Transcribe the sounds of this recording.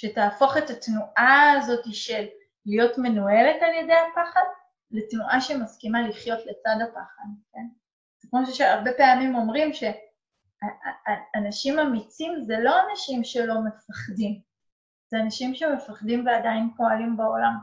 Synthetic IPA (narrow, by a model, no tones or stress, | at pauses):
ʃe̞taːfo̞χetatnuʔaːzo̞tiʃe̞lː | ijo̞tme̞nue̞letalje̞de̞jhapaχad | letnuʔaʃemaskimaliχjo̞tle̞t͡sadapaχad̚ke̞n | z̥ekmo̞ʃeʃeaʁbe̞peamimo̞mʁimʃe̞ | aː | naʃimamit͡simzelo̞anaʃimʃe̞lo̞me̞faχdim | zeanaʃimʃeme̞faχdimveadajinpo̞alimbao̞lam